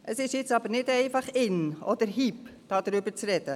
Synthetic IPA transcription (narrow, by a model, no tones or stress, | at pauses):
ʔəsɪʃjɪt͡sɑb̥əɾnɪdɛɪfɑχɪnɔd̪əɾɦipd̥ɑːd̥̪ɾʏbəɾt͡sɾɛd̥ə